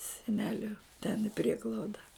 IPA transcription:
sʲɛˈnʲæːlʲʊ tʲɛn ɪ ˈpʲrʲiɛɡlˠɐʊdɐ

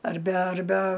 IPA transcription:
ɐrʲˈbʲɛ ɐrʲˈbʲɛ

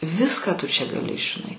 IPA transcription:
ˈʋʲɪskɑː tʊ t͡ʃʲɛ ɡɐˈlʲɪ ʒʲɪˈnɐɪ

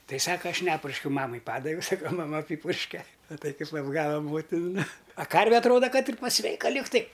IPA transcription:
ˈtɐɪ ˈsɑːkɐ ˈɐʃ ˈnʲæːpʊrʲʃʲkʲɛʊ ˈmɑːmɐɪ ˈpɑːdɐʋʲɛʊ ˈsɑːkɐ mɐˈmɐ ˈɑːpʲiːpʊrʲʃʲkʲɛ mɐˈtɐɪ kɐɪp ɐbˈɡɑːʋɐ ˈmoːtʲɪn nʊ ɐ ˈkɐrʲʋʲɛ ɐtˈroːdɐ ˈkɐt ɪr pɐˈsʲʋʲɛɪkɐ ˈlʲɪktɐɪ

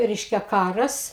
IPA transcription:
ˈrʲɛɪʃʲkʲɛ ˈkɑːrɐs

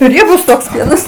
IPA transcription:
ˈrʲiɛbʊs toːks ˈpʲiɛnɐs

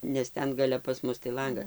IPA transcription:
nʲɛs ˈtʲɛn ɡɐˈlʲɛ pɐs ˈmʊs tɐɪ ˈlˠɐŋɡɐ

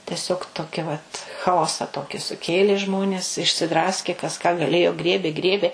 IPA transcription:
tʲɛˈsʲoːk ˈtoːkʲɪ ʋɐt xɐˈoːsɐ ˈtoːkʲɪ sʊˈkʲeːlʲeː ˈʒmoːnʲeːs ɪʃʲsʲɪˈdrɑːsʲkʲeː kɐs kɑː ɡɐˈlʲeːjoː ˈɡrʲiɛbʲeː ˈɡrʲiɛbʲeː

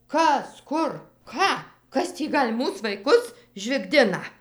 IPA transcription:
ˈkɐs ˈkʊr ˈkɑː ˈkɐs tʲiː ˈɡɐlʲ ˈmuːs ʋɐɪˈkʊs ʒʲʋʲɪɡˈdʲɪnɐ

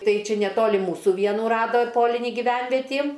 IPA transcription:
ˈtɐɪ ˈt͡ʃʲɛ nʲɛˈtoːlʲɪ ˈmuːsʊ ˈʋʲiɛnuː ˈrɑːdoː ˈpoːlʲɪnʲiː ɡʲɪˈʋʲɛnʲʋʲɛtʲiː

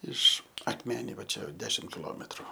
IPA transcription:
ˈɪʃ ɐkˈmʲæːnʲɛɪ ʋɐ ˈt͡ʃʲɛ ˈdʲæːʃʲɪm kʲɪˈlˠoːmʲɛtrʊ

